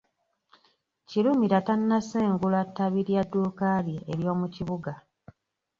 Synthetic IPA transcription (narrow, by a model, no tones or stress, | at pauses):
ciɾumiɾatanːaseːŋɡulatːaβiɾjadːuːkalieɾjo̞ːmuciβuɡa